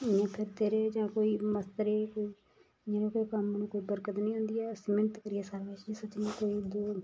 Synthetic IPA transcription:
ɪjãːpʰɪɾt̪eːɾeːd͡ʒãːkoːiːməst̪əɾeːkoːi | ãːɾoːkːiːkəmnũːkoːiːbəɾkət̪nĩːɦʊ̃nd̪iːɛːəsĩːmɪnət̪kəɾɪjɛːsaːɾʋeːt͡ʃisət͡ʃnũːkoːiːd̪oː

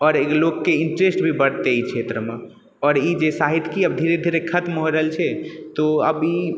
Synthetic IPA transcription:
ɔːɾelokːeiɳʈɾesʈbʱibəɽt̪eit͡ʃʰet̪ɾəme | ɔːɾid͡ʒesaɦit̪kiəbd̪ʱiɾed̪ʱiɾekʰət̪mɦoɾəɦelt͡ʃʰɛt̪oəbi

